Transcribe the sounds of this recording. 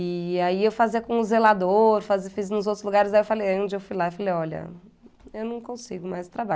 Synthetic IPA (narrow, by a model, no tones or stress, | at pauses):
ɪaiewfaziɐkõʊzelad̪oɾfaziɐfiznʊzowt̪ɾʊzluɡaɾɪzaiewfalejaɐõnd͡ʒɪewfujlaewfalejɔʎɐ̰ | ewnɐ̃w̃kõsiɡʊmajzt̪ɾaba